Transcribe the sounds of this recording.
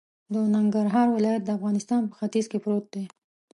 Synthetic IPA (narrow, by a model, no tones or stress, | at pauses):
d̪ənaŋɡaɾɦɑɾwɪlɑjat̪̚d̪əafɣɑnɪst̪ɑnpə̥xat̪izkepɾot̪̚d̪e